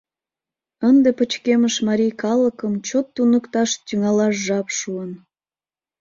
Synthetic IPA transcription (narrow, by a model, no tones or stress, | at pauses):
ənd̪epət͡ɕkeməʃmɑɾʲijkɑləkəmt͡ɕot̪ːunəkt̪ɑʃt̪yŋɑlɑʃʒɑpʃuən